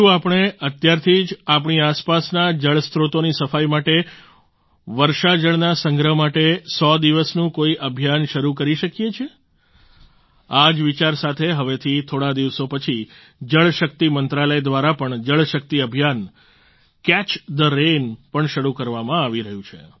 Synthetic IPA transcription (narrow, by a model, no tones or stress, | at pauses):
ũapɳ̃eət̪jaɾt̪ʰid͡ʒap̬ɳiaspasnad͡ʒəɭst̪ʰɾot̪onisəfajmaʈe | ʋəɾʃad͡ʒəɭnasəŋɡɾəɦmaʈesɔd̪iʋəsnũkoiʔəbʱjanʃəɾukəɾiʃəkjet͡ʃʰe | ad͡ʒʋit͡ʃaɾsat̪ʰeɦəʋet̪ʰit̪ʰoɽad̪iʋsopət͡ʃʰi | d͡ʒəɭʃək̚t̪imənt̪ɾaləjd̪ʋaɾapəɳd͡ʒəɭʃək̚t̪iəbʱjan | kɛt͡ʃd̪əɾenpəɳʃəɾukəɾʋamãaʋiɾəɦjũt͡ʃʰḛ